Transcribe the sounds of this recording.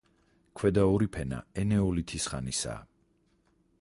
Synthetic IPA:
kʰwɛd̪aɔɾipʰɛna̰ɛnɛɔlit̪ʰisχanisa̰ː

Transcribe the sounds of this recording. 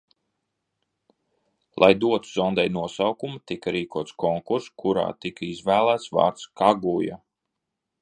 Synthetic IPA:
lˠʔajd̪uɔt̪uzɔnd̪ɛjnuɔsawkumut̪ikaɾiːkuɔt̪skɔŋkuɾskʰuɾa̰ːt̪ikaizvæːlˠæːt̪svɑ̰ːɾt̪skaɡuja̰

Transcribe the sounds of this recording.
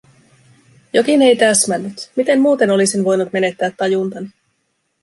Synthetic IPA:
jo̞kine̞jt̪æsmænːyt̪mit̪e̞mmuːt̪e̞no̞lisinʋo̞jnut̪me̞ne̞t̪ːæːt̪ːɑjunt̪ɑni

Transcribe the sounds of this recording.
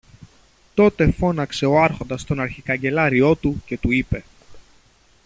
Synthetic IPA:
t̪o̞t̪e̞fo̞nɐkse̞o̞ɐɾxo̞nd̪ɐst̪o̞nɐɾçikɐɲɟe̞lɐɾio̞t̪uce̞t̪uipe̞

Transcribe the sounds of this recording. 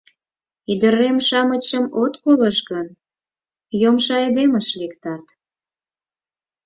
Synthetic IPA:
yd̪əɾemʃɑmət͡ɕəmot̪koləʃɣən | jomʃɑed̪eməʃlikt̪ɑt̪

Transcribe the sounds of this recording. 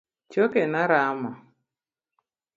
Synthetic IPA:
t͡ʃokenaɾama

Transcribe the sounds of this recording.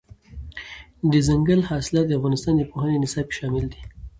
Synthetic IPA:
d̪əzaŋɡəlhɑsɪlɑt̪̚d̪əafɣɑnɪst̪ɑnd̪əpoɦənenɪsɑb̚ʃɑmɪld̪i̥

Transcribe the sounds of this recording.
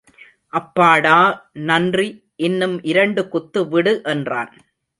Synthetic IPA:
ʔɐpːaːɽaːnɐndri | ʔɪnːɯmʔɪɾɐɳɖɯkʊt̪ːɯʋɪɽɯʔɛndra̰ːn

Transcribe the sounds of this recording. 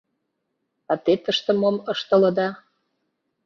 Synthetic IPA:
ɑt̪et̪əʃt̪ə̆moməʃt̪ə̆lə̆d̪ɑ

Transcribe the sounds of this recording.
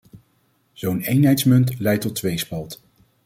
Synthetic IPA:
z̥ownejnɦɛjtsmɵntlɛjtɔtːʋejspɑlˠt

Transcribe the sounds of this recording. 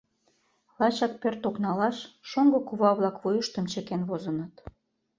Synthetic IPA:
lɑt͡ɕɑk̚pørt̪oknɑlɑʃːoŋɡŏkuβɑβlˠɑkβujəʃt̪ə̆mt͡ɕekenβozə̆nət̪

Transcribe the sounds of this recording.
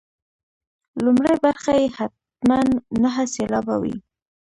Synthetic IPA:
lʊmɽajbaɾxajehat̪̚ | manːaɦaselɑbawḭ

